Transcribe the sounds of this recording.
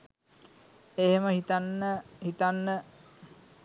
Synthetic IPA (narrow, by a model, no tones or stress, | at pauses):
eɦeməhit̪anːəhit̪anːə